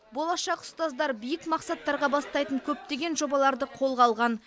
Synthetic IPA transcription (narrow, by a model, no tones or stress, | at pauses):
bo̞lˠɑʃɑqʊ̥st̪ɑzd̪ɑɾbijɪkmɑqsɑt̪ːɑɾʁɑbɑst̪ɑjt̪əɴkʲʰɵp̚t̪e̞ɡʲe̞nʒo̞bɑlˠɑɾd̪əqʰo̞lˠʁɑlˠʁɑn